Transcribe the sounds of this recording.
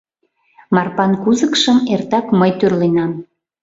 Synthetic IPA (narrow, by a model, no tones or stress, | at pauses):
mɑrpɑnkuzəkʃəmert̪ɑkməjt̪ørlenɑm